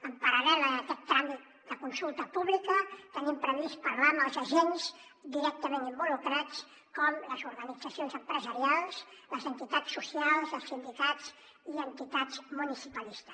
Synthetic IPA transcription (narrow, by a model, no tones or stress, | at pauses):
əmpəɾəlɛləːkɛt̪ːɾamit̪̚ | d̪əkunsulˠt̪əpuβlikət̪ənimpɾəβispəɾlaməlˠzəʒens | d̪iɾɛk̚t̪əmẽnimbulukɾat͡s | kɔmləzuɾɣənid͡zəsionzəmpɾəzəɾialˠsləzənt̪it̪asːusialˠzəlˠsind̪ikat͡s | iənt̪it̪azmunisipəlist̪ə̥s